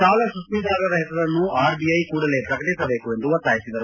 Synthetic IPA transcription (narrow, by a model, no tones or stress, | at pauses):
saːʋlɐsusmid̪aːɾɐɾɐɦɛsɐɾɐnːuaːɾbiɐjkuːɽɐle̞ːpɾɐkɐʈisɐbe̞ːkue̞nd̪uʋɐt̪ːaːjisid̪ɐɾu